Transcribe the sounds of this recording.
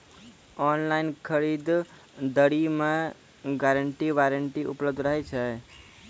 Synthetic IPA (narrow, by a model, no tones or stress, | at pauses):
ɔnlaɪnkʰəɾid̪ | d̪əɽime | ɡaɾəɳʈiʋaɾəɳʈiʔṵpləb̚d̪ʱɾəɦɛt͡ʃʰə